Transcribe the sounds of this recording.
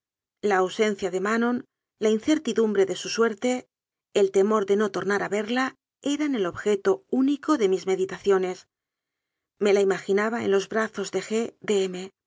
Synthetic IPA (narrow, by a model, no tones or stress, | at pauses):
laːwse̞n̟θjaðe̞mano̞n | lainθe̞ɾt̪iðumbɾe̞ðe̞suswe̞ɾt̪e̞ː | lt̪e̞mo̞ɾðe̞no̞t̪o̞ɾnaɾaβe̞ɾla | e̞ɾane̞lo̞βxe̞t̪ouniko̞ðe̞mizme̞ðit̪aθjo̞ne̞s | me̞laimaxinaβ̞aḛnlo̞zβɾaθo̞zðe̞xe̞ðeeme̞